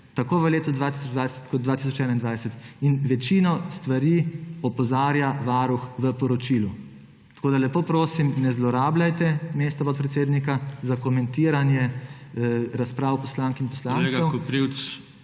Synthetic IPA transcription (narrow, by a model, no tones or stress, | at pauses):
t̪akoːʋəleːt̪ud̪ʋaːt̪isɔd͡ʒd̪ʋajsɛ̥t̪kɔt̪d̪d̪ʋaːt̪is̬ɔt͡ʃɛːnaind̪ʋajsɛt̪inʋɛt͡ʃinɔst̪ʋaɾiɔpɔzaːɾjaʋaːɾuxʋəpɔɾɔt͡ʃilu | t̪ḁkoːd̪alɛpoːpɾoːsimnɛzlɔɾaːblajt̪ɛmeːst̪apɔt̪̚pɾɛt̪seːd̪nikazakɔmɛ̃nt̪iːɾanjɛ | ɾaspɾaːwpɔslaːŋkinpɔslaːnsɛwkpɾiwt͡s